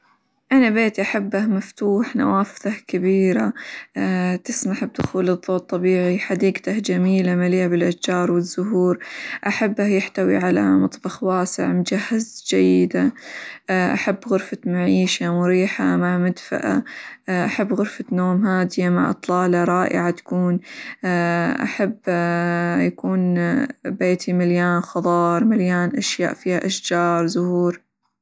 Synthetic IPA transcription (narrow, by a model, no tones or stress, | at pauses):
ʔanabeːt̪iʔaħabːahmaft̪uːħna̰waːfθakabiːɾaː | t̪ɪsmaħb̚d̪ʊxuːlɨðˤːoːt̪ˤːɑbiːʕiħad̪iːɡt̪ahd͡ʒamiːlamaliːʕabɪlʔatd͡ʒɑːɾˤwɪzːʊɦuːɾʔaħabːahjɪħt̪awḭʕala̰mɑt̪ˤbɑxwaːsɪ̰ʕmʊd͡ʒahːazd͡ʒajːɪd̪a | ʔa̰ħabːɣʊɾfat̪maʕiːʃamʊɾiːħamaʕmad̪fa̰ʔa̰ʔaħabːɣʊɾfat̪noːmɦaːd̪ɪjama̰ʕʔɨ̰t̪ˤlɑːlɑɾˤɑːʔɪ̰ʕat̪ḁkuːnː | ʔa̰ħabː | jakuːnbeːt̪ʰimɪljaːnxɑd̪ˤɑːɾˤmɪljaːnʔaʃja̰ːʔfiːhaʔaʃd͡ʒɑːɾˤzʊhuːɾ